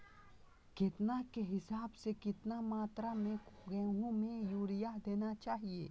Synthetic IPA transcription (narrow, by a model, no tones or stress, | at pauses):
kɪt̪nakeɦɪsaːbsekɪt̪namaːt̪ɾamẽɡɛ̃ːɦõmẽjuːɾijad̪eːnat͡ʃaːɦiḛː